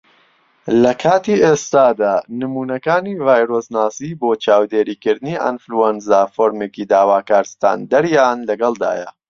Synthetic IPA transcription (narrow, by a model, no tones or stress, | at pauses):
lɐkʰaːt̪iːʔest̪aːd̪aːnɨmuːnɐkaːnivaːjɾosnaːsiːboːt͡ʃaːwd̪eːɾiːkɨɾd̪ɨniʔa̰nfluɛnzaːfoːɾmeːkid̪aːwaːkaːɾst̪a̰ːnd̪ɐɾjaːnlɐɡɐlˠd̪a̰ːjɐ̰